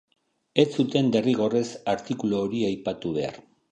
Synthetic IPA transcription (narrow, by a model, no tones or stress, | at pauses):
e̞t͡sːut̪e̞nd̪e̞riɣ̞o̞re̞saɾt̪ikuloːɾiajpat̪uβ̞e̞a̰r